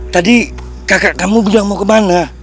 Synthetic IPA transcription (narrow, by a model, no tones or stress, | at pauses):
t̪adi | kakakamubud͡ʒaŋmawkəmana